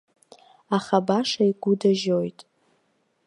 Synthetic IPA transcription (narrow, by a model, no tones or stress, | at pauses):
aχabaʂaiɡʷʊdaʒojtʼ